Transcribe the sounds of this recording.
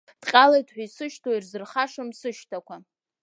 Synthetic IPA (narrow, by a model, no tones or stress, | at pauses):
d̥qʲʼalajtʰħʷᶣaisɨʃtʰoirzɨrχaʂamsɨʃtʰakʷʰa